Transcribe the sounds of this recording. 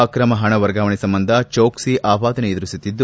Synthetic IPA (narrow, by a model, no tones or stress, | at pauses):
akɾɐmɐɦɐɳɐʋɐɾɡaːʋɐɳisɐmbɐnd̪ʱɐt͡ʃoːksiʔaːbaːd̪ɐneːd̪ɾusut̪ːid̪ːu